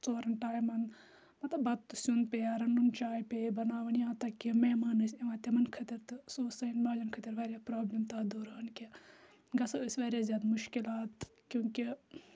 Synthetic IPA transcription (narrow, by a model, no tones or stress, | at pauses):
t͡soːɾɐnʈaːjmɐn | mɐt̪lɐbɐt̪t̪ːɨsunpejaɾɐnːunt͡ʃaːjpebɐnaːʋɐnijãːt̪ɐkːimeːmaːnɐseʋãːt̪ɐmɐnkʰɐt̪iɾt̪ɨsoːsɐinbaːd͡ʒɐnkʰɐt̪iɾʋaːɾjapɾaːblɐmt̪ɐd̪uːɾɐːnkʲe | ɡɐsɐəsʋaːɾʲjaːzjaːd̪muʃkilaːt̪ | kʲjũːki